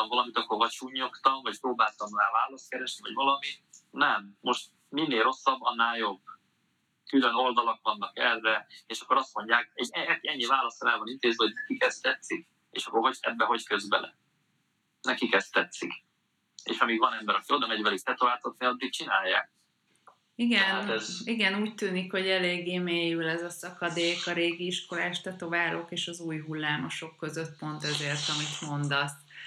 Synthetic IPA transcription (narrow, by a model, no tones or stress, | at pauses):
ɒɱvɒlɒmit̪ɒkːoɾvɒt͡ʃuːɲːo̞kt̪ɒɱvɒcpɾoːbaːlt̪ɒmraːvaːlɒst̪̚kɛɾɛʃnivɒɟvɒlɒmit̪nɛmːo̞ʃt̪ | minːeːro̞sːɒbːɒnːaːljo̞b | kyløno̞ld̪ɒlokvɒnːɒkɛrːɛeːʃɒkːoɾɒst̪mo̞ɲɟaːkɛɟɛɛkiɛɲːivaːlɒsɒɛlvɒnint̪eːzʋɛɦo̞ɟnɛkikɛst̪ɛt̪sik̚ | ḛːʃɒkːoɦoɛ̰bːɛɦo̞ckøzbɛlɛ̰ | nɛkikɛst̪ɛt̪sik | ḛːʃɒmiːɡvɒnɛmbɛɾɒkio̞d̪ɒmɛɟvɛlikt̪ɛt̪ovaːt̪ot̪neɒd̪ːik̚t͡ʃinaːjːa̰ːk̚ | iɡɛnt̪ɛziɡɛnuːct̪yːnikho̞ɟɛleːɡːeːmeːjylɛzɒsɒkɒd̪eːkɒɾeːɡiiʃko̞laːʃt̪ɛt̪o̞vaːlo̞keːʃɒzuːjɦulːaːmo̞ʃo̞kːø̞zøt̪po̞nt̪ɛzeːrt̪ɒmit̪mo̞nd̪ɒs